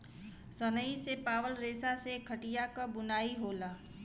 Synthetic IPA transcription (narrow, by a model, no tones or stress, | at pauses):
sənəisepaːʋəlɾeːsasekʰəʈijakabʊnaːiɦoːlaː